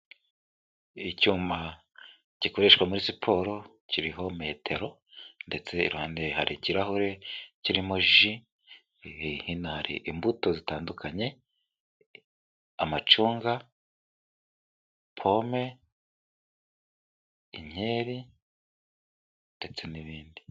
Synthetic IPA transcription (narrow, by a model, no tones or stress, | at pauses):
icuːma | cikoɾeʃwamuɾisipʰoːɾo̞ | ciɾiɦo̞me̞ːtʰe̞ɾo̞ | nde̞t͡se̞ḭɾuhaːnde̞haɾʔiciɾaɦuɾe̞ciɾimoʒi | hinahaɾḭʔimbuto̞zitaːndukʰaɲe̞ | amat͡ʃuːŋɡa | pʰo̞me̞ | iɲ̥e̞ːɾi | nde̞t͡se̞niβiːndi